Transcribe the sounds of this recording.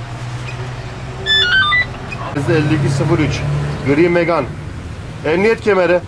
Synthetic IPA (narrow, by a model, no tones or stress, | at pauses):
ɛzɛlʲːikʲysɯbuɾyt͡ʃɡɯɾimeɡan | ɛmnijɛt̪cʲʰemeɾɛ